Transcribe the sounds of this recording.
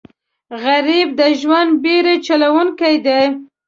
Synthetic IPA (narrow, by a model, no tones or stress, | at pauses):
ɣaɾib̚d̪əʒwand̪̚beɾet͡ʃalawuŋkajd̪e